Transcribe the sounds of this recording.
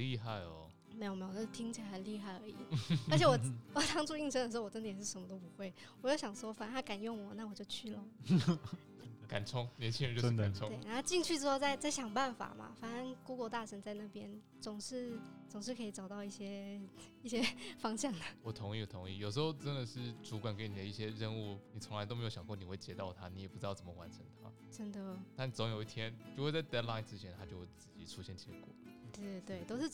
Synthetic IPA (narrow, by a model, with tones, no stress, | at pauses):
i˥˧xa˥˩ɪɔ̰˨˩ | me˧˥jme˧˥jo˨˩ə˥˩˥t̪ʰi˥ŋt͡ɕʰi˨˩la˧˥ə˧˥nli˥˧xa˥˩ɪə̰˞˧˥ḭ˨˩ə˧˥t͡ɕʰɛ˨˧˥wɔ˨˩wɔ˨˩tʰɑ˥ŋʈ͡ʂu˥˧i˥˩ŋʂʰə˧˥nd̪ə˨˩˧wɔ˨˩ʈ͡ʂə˥nt̪jɛ˨˩ʂɻ̩˥˩ʂə˧˥mə˧t̪o˥ʊp̬u˧˥xwe˥˩ɪwɔ˨˩jo˥˩ʊɕjɑ˨˩ŋʂwɔ˥fa˨˩n˧˥nʰa˥˩ka˨˩njʊ˥˩ŋwɔ˨˩˦na˥˩wɔ˨˩t͡ɕjo˥˧ʊt͡ɕʰy˥˩lə˩ | ka˨˩nt͡sʰʊ˥ŋljɛ˧˦nt͡ɕʰi˥ɻə˧˦nt͡ɕo˥˧˥a˨nʰʊ˥˦twe˥˩ɪna˧˥o˥t͡ɕi˥˧ŋt͡ɕʰy˥˩ɻ̩˥xo˥˧ʊt͡sa˥˧ɪt͡sa˥˩ɪɕjɑ˨˩ŋpa˥˩nfa̰˨˩mɐ̰˨˩fa˨˩nə˧˥nku˥kwɔ˧˥t̪a˥˩ʂʰə˧˥nt͡sa˥˧ɪna˥˩pjɛ˥n | t͡sʊ˨˩ŋʂɻ̩˥˩t͡sʊ˨˩ŋʂɻ̩˥˩kʰɤ˧˥i˨˩t͡sɑ˨˩t̪ɑ˥˧ʊi˥˩ɕjɛ˥ | i˥˩ɕjɛ˥fɑ˥ŋɕjɑ˥˩ŋd̪ə˩wɔ˨˩t̪ʰʊ˧˥ŋi˥˩wɔ˨˩t̪ʰʊ˧˦ŋi˥˩jo˨˩ʂɻ̩˧˥xo˥˧ʊʈ͡ʂə˥nd̪ə˨ʂɻ̩˥˩ʈ͡ʂu˧˥kwa˨˩nke˧˥ɪni˨˩d̪ə˦i˥˩ɕjɛ˦ɻə˥˧nu˥˩ni˨˩t͡sʰʊ˧˥la˧˦t̪o˥me˧˥jo˧ʊjɑ˨ŋkɔ˥˩ni˨˩we˥˩t͡ɕjɛ˧˥t̪ɑ˥˩ʊt̪ʰa˦ni˧˥jɛ˨˩pu˥ʈ͡ʂ̩˥t̪ɑ˥˩t͡sʰə˩mə˧wa̰˧˦nʈ͡ʂʰə̰˧˥ŋt̪ʰa̰˦˥ | ʈ͡ʂə˥nd̪ə˨nʰa˥˩ni˨˩˨t͡so˧˥ŋjo˨˩ʊi˥˧t̪ʰjɛ˥nt͡ɕjo˥˧ʊwe˥˧ɪt͡sa˥˩ɪt̪ɛ˥dla˥ɪnt͡sɻ̩ʰ˥jɛ˧˥nt̪ʰa˥t͡ɕjo˥˧ʊxwe˥˩ɪt͡sɹ̩˥˩t͡ɕi˧˥ʈ͡ʂʰu˧˥ɕjɛ˥˩nt͡ɕʰɛ̰˧˥kwɔ̰˥˩t̪e˥˩t̪we˥˩ɪt̪o˥ʊʂ̩˥˩